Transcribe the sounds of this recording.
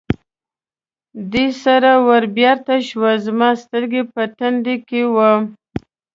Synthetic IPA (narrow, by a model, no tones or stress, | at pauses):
d̪esaɾawaɾbjɑɾt̪aʃwazmɑst̪əɾɡepəʈand̪ekewə